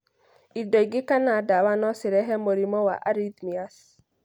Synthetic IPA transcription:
idɔiɡɪkanadawanɔsɪɾɛɦɛmoɾimɔwa̰ʔa̰ɾid̪mias

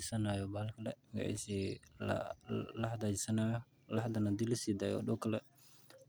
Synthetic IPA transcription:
ɪsɐnaːjɔbaːlkʰɐlɛmɡ̰ʕɛ̰sḭ | lɐhɐd̪aːd͡ʒɪsɐnaːjɔ | lɐhɐd̪ɐnad̪ilɐsiːd̪aːjɔ̰ɗɔwkʰɐlɛ

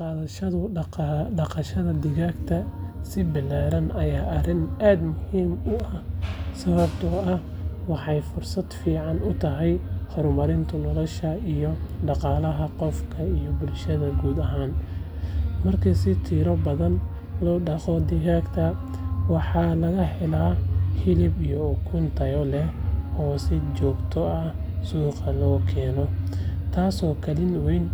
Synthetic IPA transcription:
qɑːðɐʃɐðʊɖɑqɑʃɐðɐd̪ɪɣaːɡt̪ʰɐsɪbɪlaːɾɐnʔɐjaːʔɐrɪnaːd̪mʊhiːmʊʔɐhsɐβɐbt̪ʰʊɐh | wɑħɑjfʊrsɐd̪fiːʕɑnʊt̪ʰɐɦɛjhɔrmɐɾɪnt̪ʰʊnɔlɐʃɐijɔɖɑqɑːlɐɦɐqɔfkʰɐijɔbʊlʃɐðɐɡuːd̪ɐɦaːn | mɐrkʰɐsɪt̪ʰiːɾɔbɐðɐn | lɔːɖɑqɔd̪ɪɦaːɡt̪ʰɐ | wɑħɑlɐɣɐħɛlaːhɪlɪbijɔʊkʰʊnt̪ʰɐjɔlɛɔːsɪt͡ʃɔːɡt̪ʰɔɐh | suːqɑlɔːkʰɛːnɔt̪ʰaːsɔːkʰɐlɪnwɛjn

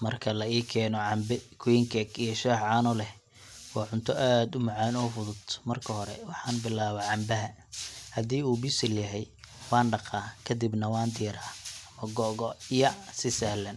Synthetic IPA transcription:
mɐrkʰɐlɐiːkʰɛːnɔʕɑmbɪkʰʊiŋkʰɛkijɐʃɛːħʕɑːnɔlɛh | wɑːʕʊnt̪ʰɔʔaːd̪ʊmɑʕaːnɔːfʊðʊt̪mɐrkʰɐɦɔɾɛ̰wɑħɑːnbɪlaːβɐʕɑmbɐɦɐ | hɐd̪iːuːbɪsɪljɐɦɛjwɑːnɖɑqɑːkʰɐd̪ɪbnɐwɑːnd̪iːɾaːɐmɐɡɔːɣɔijɐsɪsɐhlɐn

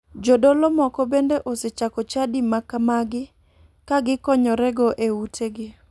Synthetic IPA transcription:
d͡ʒodolɔmɔkɔbendeʔoset͡ʃakɔt͡ʃadimakamaɡɪ | kaɡɪkɔɲɔɾɛɡɔʔeutʰeɡɪ

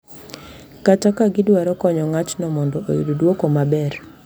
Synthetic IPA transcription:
katakaɡɪdwaɾɔkɔɲɔŋat͡ʃnɔmɔndɔʔojudodwokomabɛr

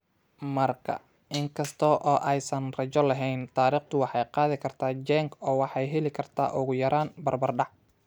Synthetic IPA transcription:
mɐrkʰɐ̰ | ɪŋkʰɐst̪ʰɔːʔɔːʔɛjsɐnrɐt͡ʃɔlɐɦɛjnt̪ʰaːɾiːχt̪ʰʊwɑħɑjqɑːðɪkʰɐrt̪ʰaːd͡ʒɛŋkʰɔːwɑħɑjɦɛlɪkʰɐrt̪ʰa̰ːʔʊɣʊjɐɾaːnbɐrbɐrɖɑʕ

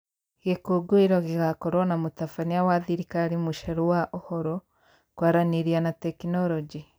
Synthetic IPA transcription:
ɣekoɡoiɾɔɣeɣakɔɾwɔnamotafaniawaðiɾikaɾimuʃɛɾowaʔohɔɾɔ | kwaɾaniɾianatɛkinɔɾɔd͡ʒi

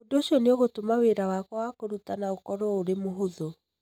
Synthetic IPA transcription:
odoɕiɔneoɣotomaweɾawakwawakoɾutanaokɔɾɔoɾemoɦoðo

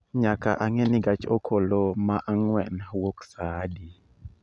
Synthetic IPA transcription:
ɲakaʔaŋeniɡat͡ʃokʰolomaʔaŋwɛnwoksadi

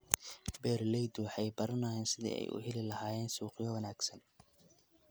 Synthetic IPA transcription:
bɛːrlɛjd̪wɑħɑjbɐɾɐnaːjɛːnsɪðḭːʔɛ̰jʔʊ̰ɦɛlɪlɐɦaːjɛːnsuːqɪjɔwɐnaːɡsɐn

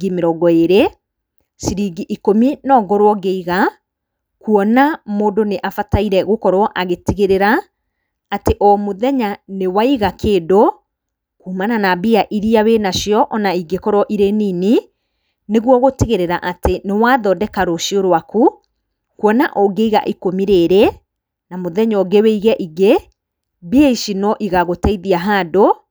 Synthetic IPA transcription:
ɡimeɾɔɡɔeɾe | siɾiɡiʔikominɔɡɔɾwɔɡeiɣa | kuɔnamoːndoneʔafataiɾɛɣokɔɾwɔʔaɣetiɣeɾeɾaː | teʔɔmoðɛɲanewaiɣakeːdo | kuːmananabiaʔiɾiawenaʃjɔʔɔnaiɡekɔɾwɔʔiɾenini | neɣwɔɣotiɣeɾeɾaʔatenewaðɔdɛkaɾoʃioɾwaku | kwɔnaʔɔɡeiɣa̰ʔikomiɾeɾɛ | namoðɛɲɔɡeweiɣɛʔiɡe | biaiʃinɔʔiɣaɣotaiðiaɦaːdo

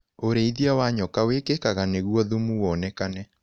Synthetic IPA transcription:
oɾeiðjawaɲɔkawekekaɣaneɣwɔðumuwɔnɛkanɛ

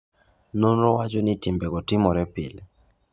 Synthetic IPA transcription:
nonɾɔwat͡ʃonɪtɪmbɛkɔtɪmɔɾɛpɪ̰lɛ

